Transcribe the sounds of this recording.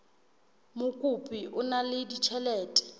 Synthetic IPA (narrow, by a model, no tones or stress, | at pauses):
mʊkʼupʼiʔʊnalɪdit͡ʃʰɛlɛːtʼɛ̥